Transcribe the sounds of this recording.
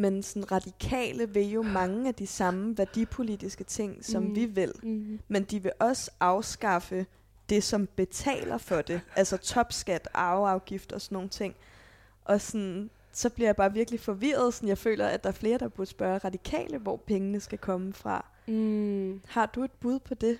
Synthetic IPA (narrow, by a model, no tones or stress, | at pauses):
mensɒnʁɑ̈d̥ikʰɛ̰ːləʋe̝jo̝mɑ̈ŋəæd̥isɑ̈məʋæɐd̥ipʰo̝lid̥isɡ̥ət͡sʰe̝ŋ̰sɒ̽mʋiʋe̝l̰mend̥iʋe̝ʔɒ̽sɑ̈ʊsɡ̥ɑ̈fə | d̥e̝sɒ̽mb̥e̝t͡sʰɛ̰ːlɐfɒ̽d̥e̝ʔælsɒt͡sʰɒ̽b̥sɡ̥æd̥ʔɑ̈ʊɑ̈ʊɡ̥ifd̥ɐɒ̽sɒnːo̝ːŋn̩t͡sʰe̝ŋ̰ | ʔɒ̽sɔn | sɒ̽b̥liɐjäb̥ɑ̈ːʋiɐɡ̥lifɒ̽ʋiːɐð̞̩ˠsɒnjɑ̈ɪfø̰ːlɐæd̥ɑ̈æɐfle̝ːɐd̥ɑ̈b̥usb̥ɶːɐʁɑ̈d̥ikʰɛ̰ːləʋɒ̰pʰeŋənəsɡ̥ækʰɒ̽məfʁɑ̈ | hɑ̈d̥ue̝d̥̚b̥uð̞ˠpʰɒ̽d̥e̝